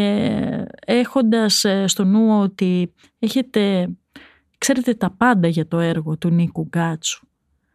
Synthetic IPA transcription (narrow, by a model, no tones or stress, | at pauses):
e̞xo̞nd̪ɐsst̪o̞nuoot̪i | e̞çe̞t̪e̞ | kse̞ɾe̞t̪e̞t̪ɐpɐnd̪ɐʝɐt̪o̞e̞ɾɣo̞t̪unikuɡɐt͡su̥